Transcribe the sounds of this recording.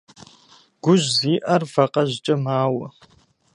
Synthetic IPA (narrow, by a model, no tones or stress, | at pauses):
ɡ̥ʷʊʒziːʔɐrvɐqɐʑt͡ʃʼɐmaːwɐ